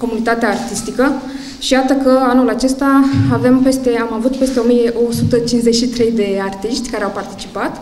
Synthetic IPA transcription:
ko̞munit̪at̪eaːrt̪ist̪ikə | ʃijat̪əkəanulat͡ʃe̞st̪aave̞mpe̞st̪e̞amavut̪pe̞st̪e̞o̞mije̞ʔosut̪ət͡ʃinzeʃit̪ɾe̞jd̪e̞art̪iʃt̪ʲkaɾeawpart̪it͡ʃi̥pat̪

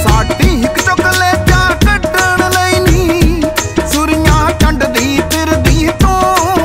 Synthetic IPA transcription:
saːʈiːɦɪkt͡ʃokəleːt͡ʃaːkəʈəɳləiːniː | sʊɾɪjãːʈəɳɖd̪iːt̪ɪɾd̪iːt̪õː

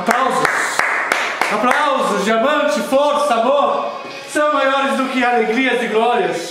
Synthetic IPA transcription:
aplawzʊs | aplawzʊzd͡ʒɪamɐ̃nt͡ʃɪfɔɾsamoɾ | sɐ̃w̃majɔɾɪzd̪ʊkɪaleɡɾiɐzɪɡlɔɾjɐs

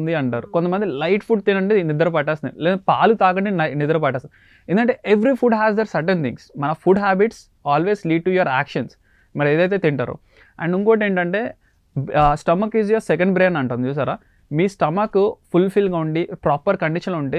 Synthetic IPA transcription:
nd̪iɐɳʈaːɾukont̪ɐmɐnd̪ilɐjʈpʰuɖ̚t̪inɐɳɖenid̪ɐɾɐp̬ɐʈːaːsind̪ileːd̪paːlut̪aːkɐɳɖinɐnid̪ɐɾɐpɐʈːaːsin | end̪uɡɐɳʈeʔeʋɾipʰuɖɦæːzd̪eːɾsɐɾʈent̪ʰḭŋɡsmɐnɐfʰuɖɦaːbiʈs | aːlʋeːzliːɖ̚ʈujɐɾaːkʂɐns | mɐɾeːd̪ɐjt̪̬e̞ːt̪iɳʈa̰ːɾṵ | ɐɳɖuŋkoːʈieːɳʈɐɳʈe̞ː | sʈɐmɐkizjoːɾsɛk̬ɐɳɖbɾeːnɐɳʈund̪it͡ʃuːs̬aːɾaː | miːsʈɐmɐkupulpʰilɡaːuɳɖipɾaːpɐɾkɐɳɖiʂɐnluɳʈeː

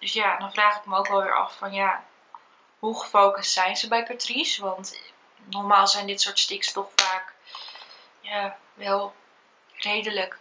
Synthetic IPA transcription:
d̥ɵsjadɔnfraːχɪkməowkʋɛlˠʋɪ̰ːʔɑ̰ffɔnja | ɦuχəfowkəstsɛjnzəbɛjkatrisʋɑnt | nɔrmaːlˠsɛjndɪtsʊːɹtstɪkstɔχfaːk | ja | ʋɛlˠ | rejdələk

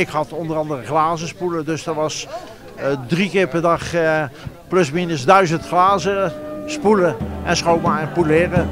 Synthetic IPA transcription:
ɪkhɑtɔndərɑndərəχlaːzəspulədøsdəɹʋɑs | drikɪːɹpɛɹdɑχ | plɵsminəsdœɥzəntχlaːzəspuləɛnsχowmaɛnpulɪːrə

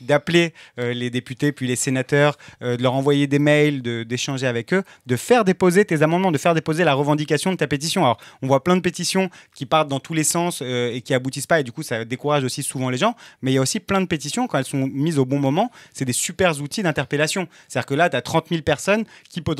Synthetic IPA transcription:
d̪apleøled̪epyt̪epɥilesenat̪œːʁød̪əlœʁɑ̃vwajed̪emɛjld̪əd̪eʃɑ̃ʒeavɛkø | d̪əfɛʁd̪epozet̪ezamɑ̃d̪mɑ̃d̪əfɛʁd̪epozelaʁəvɑ̃d̪ikʲasjɔ̃d̪ət̪apet̪̬isjɔ̃alɔʁɔ̃vwaplɛ̃d̪əpet̪isjɔ̃kʲipaʁt̪̚d̪ɑ̃t̪ʰulesɑ̃søekʲiabut̪ispaed̪ykusad̪ekuʁaʒosisuvɑ̃leʒɑ̃mɛiljaosiplɛ̃d̪əpet̪̬isjɔ̃kɑ̃ɛlsɔ̃mizobɔ̃mɔmɑ̃sɛd̪esypɛʁzut̪id̪ɛ̃t̪ɛʁpelasjɔ̃se̥t̪ad̪iʁkəlat̪yat̪χɑ̃t̪milpɛʁsɔnkʲipø

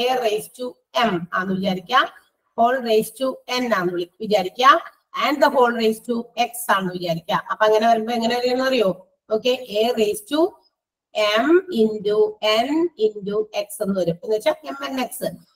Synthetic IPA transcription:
ereːstu | ema̰ːnːɨʋit͡ɕaːɾikʲːa | ho̞ːɭreːstuenaːnːʋiɭiʋit͡ɕaːɾikʲːa | ɐnɖd̪ɐɦo̞ːɭreːstueksaːɳːɨʋit͡ɕaːɾikʲːaʔɐpːoːɐŋːɐneʋɐɾumboːeŋːɐneʋɐɾijɐnːɨʋɐrijoː | oːkːe̞ʔeːreːstu | emindueninduekse̞nːuʋɐɾumenːit͡ɕːaemene̞ksɨ

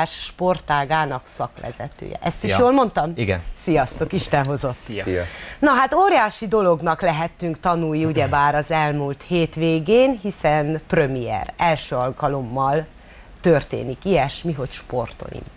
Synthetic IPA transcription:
ʃʃpo̞rt̪aːɡaːnɒksɒkʋɛ̰zɛ̰t̪ø̰ːjɛ̰ʔɛst̪iʃjoːlmo̞nt̪ɒmiɡɛnsijɒst̪o̞kiʃt̪ɛnɦo̞zo̞t̪ː | nɒɦat̪oːɾjaːʃid̪o̞lo̞ɡnɒklɛɦɛt̪ːyŋkt̪ɒnuːjuɟɛbaːɾɒzɛlmuːlt̪heːt̪ʋeːɡeːnɦisɛnprømiɛ̰rɛlʃøːɒlkɒlo̞mːɒl | t̪ørt̪ḛːnikijɛʃmiɦo̞cʃpo̞̰rt̪o̞̰lḭm

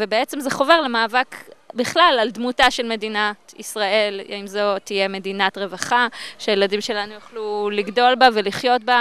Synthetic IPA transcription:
vebeet͡semzeχo̞ve̞ʁlemaːvakbiχlalaldmutaʃelme̞dinatisʁae̞laimzo̞t̪ije̞me̞dinatʁe̞vaχaʃeajeladimʃe̞lanujaχluliɡdo̞lbave̞liχjo̞t̚ba

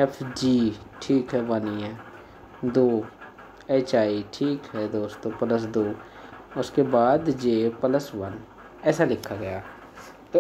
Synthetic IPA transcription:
ɛpʰd͡ʒiːʈʰiːkɦɛbaːniɦɛ̃ː | d̪oː | eːt͡ʃaːiʈʰiːkɦɛːd̪oːst̪oːpələs̬d̪oː | ʊskebaːd̪d͡ʒeːpələsʋən | ɛːsalɪkʰaɡəjaː | t̪o

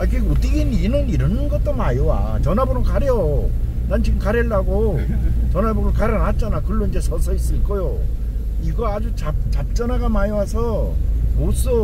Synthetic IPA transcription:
akɯɡot͈iɡininɯniɾʌnnɡʌt͈omajowa̰ | t͡ɕʌnabɯɾɯnkaɾjo | nant͡ɕʰiɡkaɾeɭːaɡo | t͡ɕʌnabɯɾɯkaɾjʌnɦat̚t͡ɕ͈anakɯɭːoind͡ʑe̞sʰʌsʰʌis͈ɯɭk͈ʌjo | iɡʌad͡ʑut͡ɕat͡ɕap̚t͡ɕ͈ʌnaɡamajowasʰʌmos͈o

